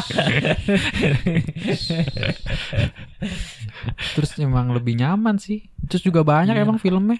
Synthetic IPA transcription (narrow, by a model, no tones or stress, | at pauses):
t̪ɾʊsemaŋləbɪhɲamansɪht̪ɾʊsd͡ʒuɡabaɲakemaŋfiləmɛ